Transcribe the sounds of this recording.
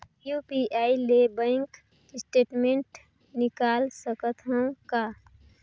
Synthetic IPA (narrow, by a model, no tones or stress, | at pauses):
jupiʔaːilebə̃ŋk | sʈeːʈmẽɳʈ | nɪkaːlsəkət̪ɦə̃ka